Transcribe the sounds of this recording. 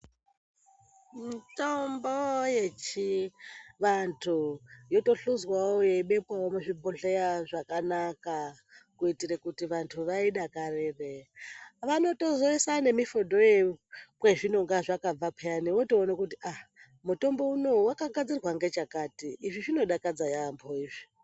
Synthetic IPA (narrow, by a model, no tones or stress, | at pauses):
mitombojet͡ʃi | ʋantʰujo̞to̞ɬuzwaojeiɓe̞pwaomuʐibʱoɬejaʐakanaka | kuitiɾekutiʋantʰuʋaiɗakarereʋano̞to̞zo̞isane̞mifodʱo̞jekweʐino̞ŋɡaʐakab͡vapejaniwotoːnakutiʔa | muto̞mbo̞uno̞wakaɡʱad͡zirwaŋɡe̞t͡ʃakatiːʐiʐino̞ɗakad͡zajamboiːʐi̥